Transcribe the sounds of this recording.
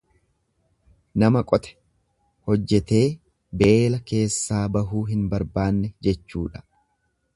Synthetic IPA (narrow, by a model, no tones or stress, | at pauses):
nɐmɐkʼɔt̪ɛ̥ | hɔd͡ʒːɛt̪e̞ː | be̞ːlɐke̞ːsːaːbɐɦuːɦɪnbɐɾbaːnːɛd͡ʒɛt͡ʃːṵːᶑɐ̥